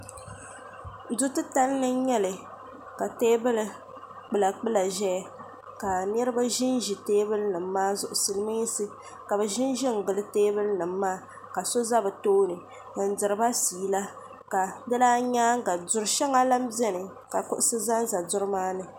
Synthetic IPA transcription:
dʊ˦tɨ˦ta˦lnɨ˦ɲɛ˦lɨ˨ | ka˨teː˦bɨ˦lɨ˨ | k͡pɨ˦˨la˨k͡pɨ˦la˨ʒɛ˦˨ | ka˨n˦ɛ˦ɾɨ˦ba˦ʒɪ˦n˦ʒi˨teː˦bɨ˦lnɨ˨m̩ː˦aː˦zʊ˨ʔʊ˨sɨ˨lɨ˦mɨ˦sɨ˦ | ka˨bɛ˨ʒɪ˦n˦ʒɪ˦ŋ̩˨ɡɨ˨lɨ˦teː˦bɨ˦lnɨ˨m̩ː˦aː˦ | ka˨so˦za˦bɨ˨toː˦nɨ˨ | n̩˨dɨ˨ɾɨ˨ba˦siː˨la˦ | ka˨dɨ˦laː˦ɲaː˦ŋ̩˦ɡa˨dʊ˨ɾʃɛ˦ŋa˦la˦m˦bɛ˦nɨ˨ | ka˨kʊ˦ʔʊ˦sɨ˦za˦n˦za˨dʊ˦ɾɨ˦maː˦nɨ˨

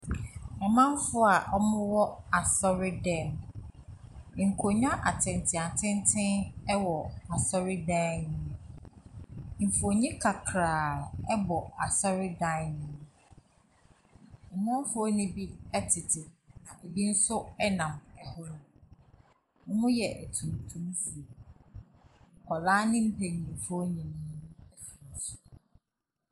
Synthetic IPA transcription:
ɛ˨mã˦m˦fʊ˦a˨ʔɔ˦mʊ̃˦wɔ˦a˨sɔ˦ɾɪ˦dɛ̃˦˨m˨ | ŋ̩˨kʰo˨ɲã˦ʔa˨tʰɪ̃˨ntʰɪ˨a˨tʰɪ̃˦ntʰɪ̃˦nɛ˦wɔ˨a˨sɔ˦ɾɪ˦dãː˦nɪ̃˦ | m̩˨fo˨ɲĩ˦kʰa˨kʰɾaː˨ɛ˦bɔ˨a˨sɔ˦ɾɪ˦dã˦˨˦nɪ̃˨˦˨ | mʊ̃˦fo˦nʊ̃˦bi˦ɛ˦tʰɪ˨tʰɪ˨nã˨ʔe˨bi˦n̩˦sʊ˦ɛ˦nã˨mɛ˨hɔ˦nʊ̃˦ | ŋ̩˦ŋʊ̃˦jɛ˨ʔæ˨tʰũ˨m˨tʰũ˦m˦su˨ | kʰɔ˨laː˦nɪ̃˦m̩˦pʰɛ˨ɲĩ˨fɲĩ˨nʊ̃˦ɛ˦fi˨n˨˦sʊ̥˨

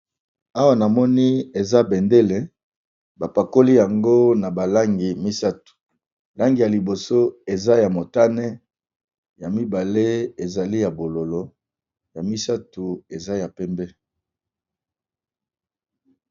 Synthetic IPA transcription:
a˦wa˨na˨mɔ˦ni˦e˨za˦bɛ˨nde˦le˨ | ba˨pa˨ko˦li˦ja˨ŋɡo˦na˨ba˨la˦ŋɡi˨mi˦sa˦tu̥˨ | la˦ŋɡi˨ja˨li˨bo˨so˦e˨za˦ja˨mo˨ta˦nɛ˦ | ja˨mi˦ba˨le˦e˨za˨li˦ja˨bo˨lo˨lo˨˦ | ja˨mi˦sa˦tu˨e˨za˦ja˨pɛ˦mbɛ˦

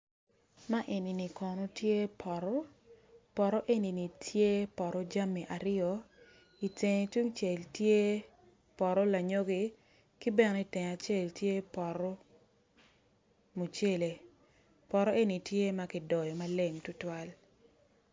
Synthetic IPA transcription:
ma˦ʔe˨ni˨ni˨kɔ˨nɔ˦tje˦pʰɔ˨ɾɔ˦ | pɔ˨ɾɔ˦ʔe˦ni˨ni˨tʰje˦pɔ˨ɾɔ˦d͡ʒa˦mi˨ʔa˨ɾɪ˦ɔ˨ | i˨te˨ŋ˨tu˦ŋt͡ʃe˨ltje˦ | pɔ˨ɾɔ˦la˨ɲo˦ɡi˦ | ki˦bɛ˦ni˦tɛ˨ŋa˨t͡ʃe˦˨ltje˦pɔ˨ɾɔ˦ | mo˨t͡ʃe˦le˨ | pɔ˨ɾɔ˦ʔe˦ni˨tje˦ma˦kɪ˨dɔ˨jɔ˨ma˦le˦ŋtʊ˦twa˦l

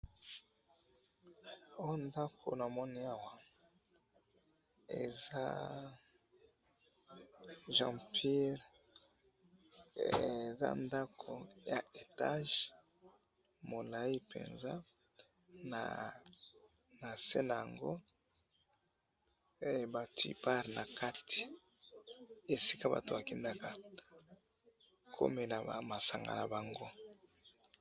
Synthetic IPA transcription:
o˦nda˦kʰo̰˨na˨mɔ˦ni˦a˦wa˨ | ḛ˨za̰˦ | ʒã˦pʰi˦ʁ | eza̰˦nda˦kʰo˨ja˨e˨ta˦ʒ | mo˨la˨i˦pḛ˨nza˦ | na̰˨ | na˨se˦na˨a˨ŋɡo˦˨ | ba˨twḭ˦pa˦ʁna˨ka˦tʰi̥˨ | e˨si̥˦ka˦ba̰˨to˨ba˨ki˦nda˦ka˨ | kʰo̰˦me˨na˨ma˨sa˨ŋɡa̰˨na˨ba˨ŋɡo˦

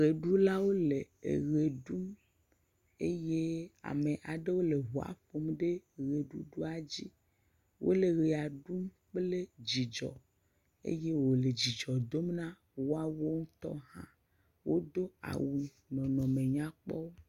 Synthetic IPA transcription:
ɣe˨ɖu˦la˦wo˦le˨ḛ˨ɣe˨ɖu˦m | e˦je˦a̰˨me˨ʔa˨ɖe˦wo˦le˨ɦu˨a̰˨ɸo˦mɖe˦ɣe˨ɖu˦ɖu˦a˨d͡ʑi˦ | wʔo̰˦le˨ɣe˨a˨ɖu˦m | k͡ple˦d͡ʑi˨d͡ʒɔ̰˨ | ḛ˦je˦wo˨le˨d͡ʑi˨d͡ʒɔ˨d̪o˦mnã˦ | wo˦a˦wo˦ŋũ˦t̪ɔ̰˦ɦã̰˦ | wo˦d̪o˦a̰˨wu˨ | nɔ̃˨nɔ̃˨mẽ˨ɲã˦k͡pɔ˦wo˦

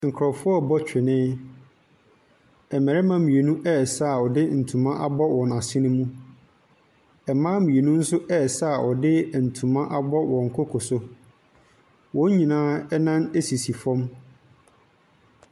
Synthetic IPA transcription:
ŋ̩˨kʰɾɔ˨fʊ˦ɔ˦˨bɔ˦t͡ɕᶣɪ˨nɪ̃˦ | ɛ˨mɛ˨ɾɛ˦mã˦mĩ˨e˨nũ˦ʔɛ˦˨sa˦˨ɔ˨dɪ˦n̩˨tʰũ˨mã˦ʔa˦bɔ˦wɔ̃˨na˨sɪ̃˦nɪ̃˦mũ˦ | ɛ˨mãː˦mĩ˨e˨nũ˦n̩˦sʊ˦ʔɛ˦˨sa˦a˨ʔɔ˨dɪ˦n̩˨tʰũ˨mã˦ʔa˦bɔ˦wɔ̃˨ŋ̩˨kʰɔ˦kʰɔ˨sʊ˦ | wɔ̃˨˦ɲĩ˨nãː˦ɛ˦nã˦ne˦si˨si˨fɔ̃˦m

